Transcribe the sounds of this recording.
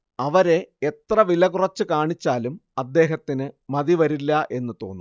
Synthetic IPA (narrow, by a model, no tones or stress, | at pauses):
ɐʋɐɾe̞et̪rɐʋilɐkurɐt͡ɕːɨkaːɳit͡ɕːaːlumɐd̪ːe̞ːɦɐt̪ːinɨmɐðiʋɐɾilːɐʔe̞nːɨt̪o̞̰ːnːu